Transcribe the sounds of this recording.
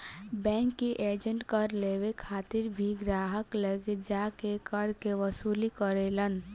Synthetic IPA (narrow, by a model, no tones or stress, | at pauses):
bɛ̃ŋkːiʔed͡ʒəɳʈkəɾlewekʰaːt̪iɾbʱiɡɾaːɦəkləɡed͡ʒakekəɾkeʋəsuːlikəɾelən